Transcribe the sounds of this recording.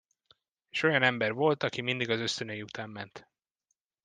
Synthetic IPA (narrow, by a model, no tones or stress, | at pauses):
eːʃo̞jɒnɛmbɛrvo̞lt̪ɒkimind̪iɡɒzø̞st̪ønøjiut̪ʰaːmːɛnt̪